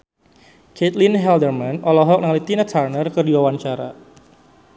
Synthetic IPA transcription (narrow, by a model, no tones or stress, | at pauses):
ket̪linɦɛldərmanɔlɔɦɔk̚naŋlit̪inat̪ʰarnərkərdiwawant͡ʃaɾa̰